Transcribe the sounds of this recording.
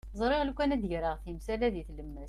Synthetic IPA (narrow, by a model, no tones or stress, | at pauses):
zˤɾˤeʁlkʷːænæd̪ʝɾəʁθimsælæðiθləmːæs